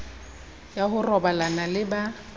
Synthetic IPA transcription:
jaɦʊrɔbalanalɪba

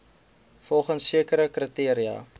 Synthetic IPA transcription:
fɔlˠχənsːiəkəɾəkritiəɾiɐ̰

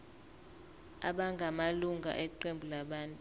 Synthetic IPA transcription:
a̰ɓaŋɡʱamaluŋɡʱa̰ʔɛǃembʱulaɓaːntʼu

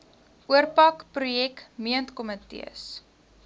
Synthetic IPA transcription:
ʔuərpɐkprujɛkmiəntkɔmətḭə̰s

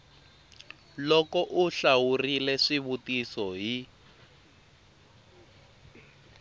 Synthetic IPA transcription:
lɔkɔʔuɬawurilɛʂiβutisɔɦi

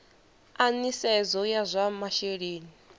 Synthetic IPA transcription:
anisɛzɔjazʷamaʃeɺeːni

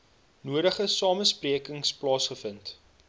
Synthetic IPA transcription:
nuəɾəχəsɑːməspriəkəŋsplɑːsχəfənt

